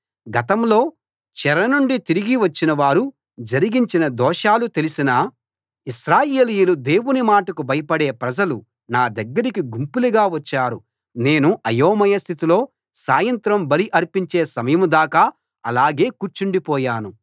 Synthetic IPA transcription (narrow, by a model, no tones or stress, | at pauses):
ɡɐt̪ɐmlo̞ː | t͡ʃɛɾɐnuɳɖit̪iɾiɡiʋɐt͡ʃːinɐʋaːɾu | d͡ʒɐɾiɡiɲt͡ʃinɐd̪ɔːʂaːlut̪e̞lisinɐ | iʃɾaːjeːlijulud̪e̞ːwunimaːʈɐkubɐjɐpɐɽe̞ːpɾɐd͡ʒɐlu | naːd̪ɐɡːɐɾikiɡumpuliɡaːʋɐt͡ʃːaːɾu | ne̞ːnuʔɐjoːmɐjɐst̪ʰit̪ilo̞ː | saːjɐnt̪ɾɐmbɐliʔɐɾpiɲt͡ʃe̞ːsɐmɐjɐmud̪aːkaː | ɐlaːɡe̞ːkuɾt͡ʃuɳɖipɔːjaːnu